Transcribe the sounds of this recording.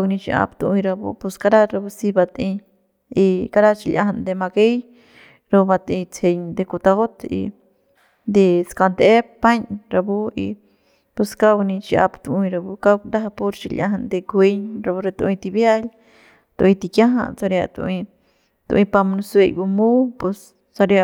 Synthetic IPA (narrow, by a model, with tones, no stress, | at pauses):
aɡnĩ˧t͡ʃḭ˧ʔa̰˧pt̪u˧ʔĩ˧ɾa˧bṵ˧pu˧ska˧ɾa˦ɾa˧bu˧si˧ba˧t̪ĩ˧ | i˧ka˦ɾa˦t͡ʃi˧lʲʔã˧ɦa˧nd̪e˧ma˧ɡe˦j | ɾo˧ba˧t̪ĩ˧t͡sʰe˧ɲd̪e˧ku˧t̪a˧ɣo˦t̪ḭ˧ | nd̪e˧ska˧nd̪e˦pa˦ɲɾa˧bu˦ḭ˧ | pu˧ska˦wnĩ˧t͡ʃi˧ʔa̰˧pt̪u˧ʔĩ˧ɾa˧bu˧ka˦wnd̪a˦ɦa˧po˧ɾt͡ʃḭ˧lʲʔã̰˦ɦa˧nd̪e˧kwe˦ɲɾa˧bu˧ɾe˧t̪u˧ĩ˧t̪i˧bja˦l | t̪u˧ʔĩ˧t̪i˧kjã˦ɦã̰˧t͡sa˧ɾa˧t̪ṵ˧ʔĩ˧ | t̪ṵ˧ʔĩ˧pa˧mnu˧se˧jbu˧mu˦pu˧s | t͡sa˧ɾja˧